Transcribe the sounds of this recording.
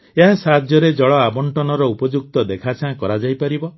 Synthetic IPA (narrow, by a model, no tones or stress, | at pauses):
eɦãsad̪ʱjɔɾed͡ʒɔɭɔabɔɳʈɔnɔɾɔupɔd͡ʒuk̚t̪ɔd̪ekʰat͡ʃʰãkɔɾad͡ʒajpaɾibɔ